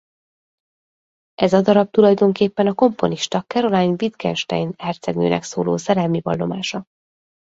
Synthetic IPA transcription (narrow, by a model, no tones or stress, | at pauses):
ʔɛzɒd̪ɒɾɒb̚t̪ulɒjd̪o̞ŋkeːpːɛnɒko̞mpo̞̰niʃt̪ɒkɛɾo̞laːnvit̪kɛ̰nʃt̪ɛ̰jnɛrt̪sɛɡnø̰ːnʔɛ̰ksoːlo̰ːsɛɾɛlmibɒlːo̞maːʃɒ